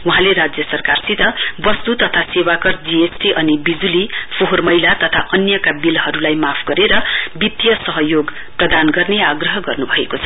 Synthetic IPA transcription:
wuɦãleɾad͡zjʌsʌrkarsit̪ʌbʌst̪ut̪ʌt̪ʰasewakʌrd͡ziesʈiʔʌnibid͡zulipʰoɦormʌjlat̪ʌt̪ʰaʔʌnjʌkabilɦʌɾulajmapʰɡʌɾeɾʌbit̪jʌsʌɦʌjoɡ | prʌd̪anɡʌrneaɡrʌɦʌɡʌrnubʱʌekot͡sʰʌ̥

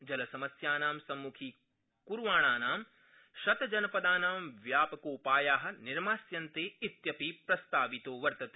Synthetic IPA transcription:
d͡ʒɐlɐsɐmɐsjaːnaːmsɐmːukʰiː | kuɾʋaːɳaːnaːm | ʃɐt̪ɐd͡ʒɐnɐpɐd̪aːnaːmʋjaːpɐkoːpaːjaːɦɐ̆niɾmaːsjɐnt̪eːtit̪jɐpiːpɾɐst̪aːʋit̪oːʋɐɾt̪ɐt̪eː

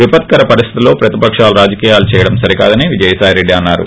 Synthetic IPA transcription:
ʋipɐt̪̚kɐɾɐpɐɾist̪ʰit̪ulo̞ːpɾɐt̪ipɐkʂaːluɾaːd͡ʒɐkiːjaːlut͡ʃɛːjɐɽɐmsɐɾika̰ːd̪ɐniʋid͡ʒɐjɐsaːjɾe̞ɖːiɐnːaːɾṵ

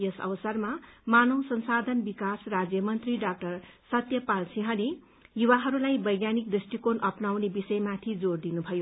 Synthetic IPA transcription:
jʌsʌ̰bʌsʌrmamanʌwsʌnsad̪ʱʌnbikasrad͡zjʌmʌnt̪riɖak̚ʈʌrsʌt̪jʌpalsiɦʌne | juwaɦʌɾulajbʌjɡjanik̚d̪risʈikonʔʌpnawnebisʌjmat̪ʰid͡zord̪inubʱʌjo

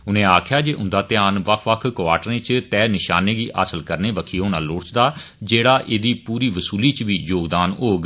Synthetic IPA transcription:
ʊnẽːaːkʰjaːd͡ʒeːʔʊ̃nd̪aːt̪ɪjaːnʋəkʰʋəkʰkʊʋaːʈəɾẽt͡ʃt̪ɛːnɪʃaːneːɡiːʔa̰ːsəlkəɾneːʋəkʰiːɦoːnãːloːɽt͡ʃd̪aː | d͡ʒeːɽaːʔeːd̪iːpuːɾiːʋəsuːliːt͡ʃʋiːjoːɡd̪aːnoːɡ

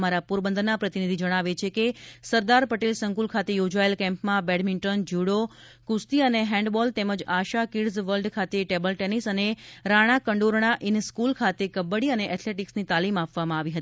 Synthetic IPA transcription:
maɾapuɾbənd̪ənːapɾət̪inid̪ʱid͡ʒəɽ̃aʋet͡ʃʰekesəɾd̪aɾpəʈelsəŋkulkʰat̪ejod͡ʒaəlkɛ̃mpmãbɛɽmɪɳʈənd͡ʒuɽo | kust̪iəneɦɛ̃ɳɖbɔlt̪eməd͡ʒaʃakiɽzʋəlɖkʰat̪eʈebəlʈenisəneɾaɽ̃akəɳɖoɾɳaʔɪnskulkʰat̪ekəbːəɽiəneʔɛt̪ʰleʈiksnit̪alimapʋamãaʋiɦət̪i

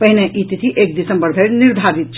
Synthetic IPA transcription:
pɐɦineʔit̪it̪ʰiʔeːk̚d̪ɪsə̃mbəɾb̪ʱeɾnɪɾd̪ʱaːɾit̪̚t͡ʃʰ

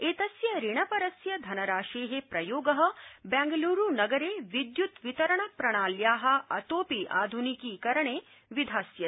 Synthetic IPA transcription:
eːt̪ɐsjɐɾiɳɐpɐɾɐsjɐd̪ʱɐnɐɾaːʃeːɦepɾɐjoːɡɐɦɐ̆bɛ̃ːŋɡɐluːɾunɐɡɐɾeːʋid̪jut̪ʋit̪ɐɾɐɳɐpɾɐɳaːljaːɦɐ̆ɐ̰t̪oːpiʔa̰ːd̪ʱunikiːkɐɾɐɳeː | ʋid̪ʱaːsjɐ

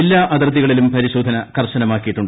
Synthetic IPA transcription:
elːaːʔɐd̪ɐrd̪iɣɐɭilumpɐɾiɕoːd̪ʱɐnɐkɐrɕɐnɐmaːkːijiʈːuɳɖ

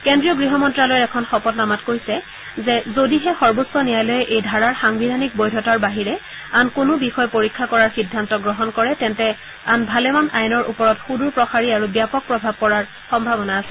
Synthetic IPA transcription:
kendɹijɔɡɹiɦɔmɔntɹalojɛkʰɔnxɔpɔtnamatkoɹisɛ | zɛzodiɦɛxɔɹbosɔnijajlɔjɛʔejdʱaɹaɹxaŋbidʱanik̚bojdʱɔtaɹbaɦiɹɛ | ankʊnʊbixɔjɛpoɹikʰːakɔɹaɹxidʱːantɔɡɹɔɦɔnkɔɹɛtɛntɛ | anbʱalɛmanʔajnɔɹʔṵpɔɹɔtxuduɹpɹɔxaɹiaɹubjapɔk̚pɹɔbʱab̚kɔɹaɹ | xɔmbʱabɔnaːsɛ

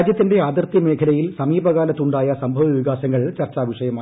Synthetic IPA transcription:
d͡ʑjɐt̪ːinde̞aːd̪ɐrt̪jime̞ːkʰɐlɐjilsɐmiːbɐɣaːlɐt̪ːuɳɖaːjɐsɐmbʱɐʋɐʋiɣaːɕɐŋːɐɭt͡ɕɐrt͡ɕːaːʋiʂɐjɐmaː

